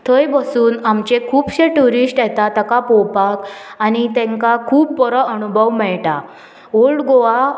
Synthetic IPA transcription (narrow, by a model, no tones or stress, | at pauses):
t̪ʰəjbəsuːnamt͡ɕekʰuːbɕeʈuɾisʈjɛt̪at̪əkapɔwpakanit̪ɛ̃ŋkakʰuːpːɔɾɔənubʱəʋmɛɭʈa | oɭɽɡoʋa